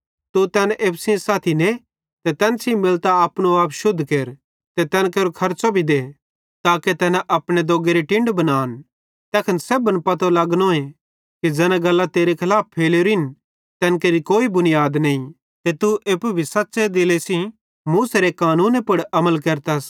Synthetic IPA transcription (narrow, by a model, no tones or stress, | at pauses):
t̪ut̪ɛːnʔeːpsĩsaːt̪ʰine | t̪ɛt̪ɛːnsĩmɪlt̪aɐpnoaːpʃʊd̪ʱkeːɾ | t̪ɛt̪ɛːnkeːɾokʰɐɾt͡ʃobʱid̪e | t̪aːket̪ɛːnɛʔɐpɽ̃ed̪oːɡeɾiʈɪ̃ɳɖbɐnaːn | t̪ɛːkʰɐnseːbənpɐt̪olɐɡnoːẽ | kid͡ʒɛːnãɡɐlːat̪eːɾekʰɐlaːppʰːeːleɾɪn | t̪ɛːnkeːɾikoːibʊnɪjaːd̪nɐĩ | t̪et̪uʔeːpubʱisɐtːsed̪ɪlesĩ | muːseɾekaːnuːnepʊɽɐməlkɐɾt̪as